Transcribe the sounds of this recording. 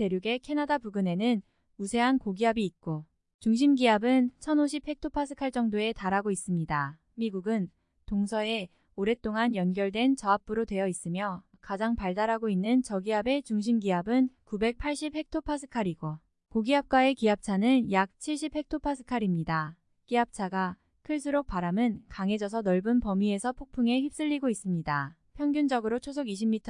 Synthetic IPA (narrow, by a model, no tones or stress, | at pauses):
te̞ɾjuɡe̞kʰe̞nadapuɡɯne̞nɯn | usʰe̞ɦankoɡiɦabiːt̚k͈o | t͡ɕuŋɕʰimɡiɦabɯnt͡ɕʰʌnoɕʰip̚he̞k̚tʰopʰasʰɯ̥kʰaɭt͡ɕ͈ʌŋdoe̞taɾaɡois͈ɯmɲida | miɡuɡɯn | toŋsʰʌe̞ | oɾe̞t͈oŋanjʌnɡjʌɭdwe̞nt͡ɕʌap̚p͈ɯɾodwe̞jʌis͈ɯmjʌ | kad͡ʑaŋpaɭdaɾɦaɡoinːɯnt͡ɕʌɡiabe̞t͡ɕuŋɕ̬ʰimɡiɦabɯnkube̞k̚pʰaɭɕ͈ip̚he̞k̚tʰopʰasʰɯ̥kʰaɾiɡo | koɡiɦap̚k͈wae̞kiap̚t͡ɕʰanɯnjak̚t͡ɕʰiɭɕ͈ip̚he̞k̚tʰopʰasʰɯ̥kʰaɾimɲida | kiɦap̚t͡ɕʰaɡa | kʰɯɭs͈ʰɯɾok̚p͈aɾamɯnkaŋe̞d͡ʑʌs̬ʰʌnʌɭbɯnpʌmie̞sʰʌpʰok̚pʰuŋe̞çip̚s͈ɯʎːiɡois͈ɯmɲida | pʰjʌŋɡjund͡ʑʌɡɯɾot͡ɕʰos̬ʰoɡiɕʰimːitʰ